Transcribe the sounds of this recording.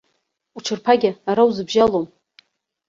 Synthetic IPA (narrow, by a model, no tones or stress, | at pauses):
ut͡ʃʰɨrpʰaɡʲɪaɾawzɨbʒalom